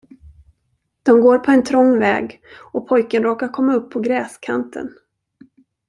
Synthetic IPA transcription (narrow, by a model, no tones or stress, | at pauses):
d̪̥ɔmɡoːɾpʰɔɛnt̪ʰɾɔŋːvɛ̰ːɡ | ɔpʰɔjkənɾoːkaɾkʰɔmːaɵpʰːɔɡɾɛːskʰant̪ʰə̰n